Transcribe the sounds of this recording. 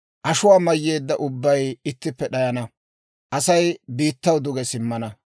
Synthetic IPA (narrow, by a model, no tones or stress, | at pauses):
ʔɐʃʊwaːmɐjːe̞ːd̪ːɐʔʊbːɐjɪt̪ːɪpːɛɗɐjɐnɐ | ʔɐsɐjbiːt̪ːɐwd̪ʊɡɛsɪmːɐnɐ